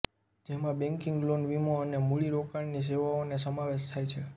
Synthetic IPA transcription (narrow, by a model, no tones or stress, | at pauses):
d͡ʒemãbɛ̃ŋkɪ̃ŋɡlonʋimoənemuɭiɾokaɳnis̬eʋaones̬əmaʋeʃt̪ʰajt͡ʃʰe